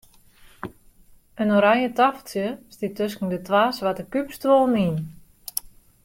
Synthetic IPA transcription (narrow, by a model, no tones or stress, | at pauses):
ənoɾajətafəlˠsjəstitøskn̩dətʋaːsʋatəkypstʋolˠnin